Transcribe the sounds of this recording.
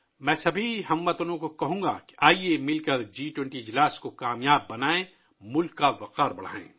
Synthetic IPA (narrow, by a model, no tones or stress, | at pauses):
mɛ̃ːsɐbʱiɦɐmːɐt̪ʊnõkokɐɦũːŋ̆ɡa̰ki̥ʔaːiemɪlkɐɾd͡ʒiːʈwɛ̃ɳʈiɪd͡ʒlaːskokaːmjaːbːɐnaːẽ | mʊlkːaʋɐqaːɾbɐɽ̤a̰ːḛ̃ː